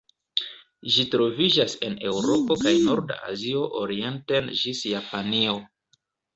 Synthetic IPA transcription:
ʒitɾo̞vid͡ʒase̞ne̞wɾo̞po̞kajnoɾda̰ʔa̰zio̞ʔoɾie̞ntenʒisjapanio̞

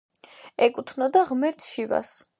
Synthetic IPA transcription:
ɛkʼut̪ʰnɔd̪aʁmɛɾt̪ʰʃiva̰s

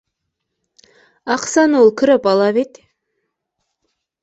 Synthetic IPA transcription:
ɑqsɑnolˠkʲʰɪɾɪpɑlˠɑβet̪ʲ

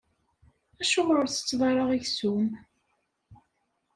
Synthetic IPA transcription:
æʃʊʁəɾθə̥t͡sːðˤɑɾˤɑʁiʝsum

